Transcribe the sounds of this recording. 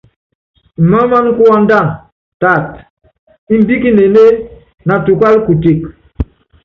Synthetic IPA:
ma˦ma˦ŋ˦ku˦a˦n˦da˦˨ŋ | ta˨t̚ | i˦m˦bi˦ki˦ne˨ne˦ | na˨tu˨kwa˦lku˨ti˨k̚

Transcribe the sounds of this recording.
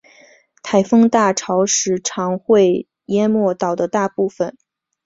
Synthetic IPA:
t̪ʰa˨˩ɪfɤ˥ŋt̪a˥˩ʈ͡ʂʰɑ˧˥ʊʂɻ̩˧˥ʈ͡ʂʰɑ˧˥ŋxwe˥˩ɪ | jɛ˥mwɔ˥˩t̪ɑ˨˩ʊd̪ə˦t̪a˥˧pu˥˩fə˩n

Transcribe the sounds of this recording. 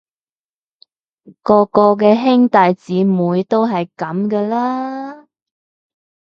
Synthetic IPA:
kɔː˧kɔː˧kɛː˧ɦɪ˥ŋt̪ɐ˨jt͡siː˨˥muː˨˧jt̪o˥wɦɐ˨jkɐ˨˥mkɛː˧laː˥

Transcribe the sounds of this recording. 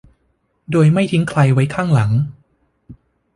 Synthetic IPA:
doː˧jma˥˩jt̪ʰi˦˥ŋkʰla˧jwa˦˥jkʰaː˥˩ŋla˩˦ŋ

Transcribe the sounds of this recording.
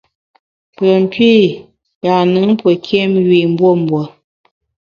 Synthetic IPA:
pə˨m̩˨pi˦˨ | ja˨nɨ˨˦ŋ˦pwə˨kʰjɛ˦mɥi˨m̩˦bwo˦˨m˨bwə˨

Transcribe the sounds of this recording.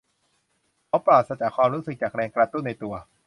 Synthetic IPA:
kʰa˧˦˥wpɾaː˨˩t̪̚sa˧t͡ɕa˨˩kʰwaː˧mɾu˦˥sɯ˨˩k̚t͡ɕaː˨˩k̚ɾɛː˧ŋkɾa˧t̪u˥˩nːa˧jt̪u˧ɐ

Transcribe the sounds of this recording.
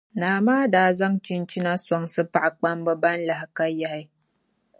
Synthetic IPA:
naː˨maː˦daː˨zɐ˦ŋt͡ʃi˦nt͡ʃi˦na˦sɔ˦ŋsɐ˦pa˦˨ʔa˨k͡pa˦mba˦ba˦nla˨ha˨ka˦jːa˨ha˦j

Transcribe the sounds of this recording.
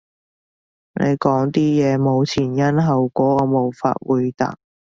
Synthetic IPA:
nʔḛ˨˧jkɔː˨˥ŋt̪iː˥jɛː˨˧mo˨˧wt͡sʰiː˨˩njɐ˥nɦɐ˨wkɔː˨˥ɔː˧mo˨wfa̰ː˧t̚wuː˨˧jt̪a̰˨k̚

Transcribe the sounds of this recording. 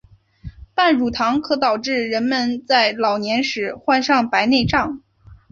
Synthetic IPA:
pa˥˩nɻu˨˩t̪ʰɑ˧˥ŋkʰɤ˧˥t̪ɑ˨˩ʊʈ͡ʂɻ̩˥˩ɻə˧˥nmə˧nt͡sa˥˩ɪlɑ˨˩ʊnjɛ˧˥nʂɻ̩˨˩˥xwa˥˧nʂɑ˥˩ŋpa˧˥ɪne˥˧ɪʈ͡ʂɑ˥˩ŋ

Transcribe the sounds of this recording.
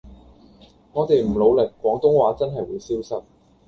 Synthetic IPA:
ŋɔː˨˧t̪e˨jm̩˨˩lo˨˧wlɪ˨k̚ːwɔː˨˥ŋt̪ʊ˥ŋwaː˨˥t͡sɐ˥nɦɐ˨jwuː˨˧jsiː˥wsɐ˥t̚

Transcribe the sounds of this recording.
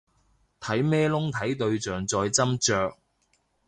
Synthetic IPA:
t̪ʰɐ˨˥jmɛː˥lʊ˥ŋt̪ʰɐ˨˥jt̪ɵ˧ɥt͡ʃœː˨ŋt͡sɔː˧jt͡sɐ˥mt͡ʃœː˧k̚

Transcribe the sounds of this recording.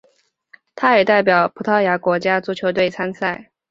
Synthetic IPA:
t̪ʰa˥jɛ˨˩t̪a˥˩ɪp̬jɑ˨˩ʊpʰu˨˥t̪ʰɑ˥˩ja˧˥kwɔ˧˥t͡ɕja˥t͡su˧˥t͡ɕʰjo˧˥ʊt̪we˥˩ɪt͡sʰa˥nsa˥˩ɪ

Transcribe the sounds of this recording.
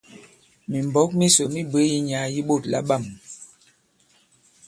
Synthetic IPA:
mi˨m˨bɔ˨˦k̚mi˦so˨mi˦bə˨˦ji˦ɲa˨˦ji˦ɓo˦˨tla̰˦ɓa˦˨m

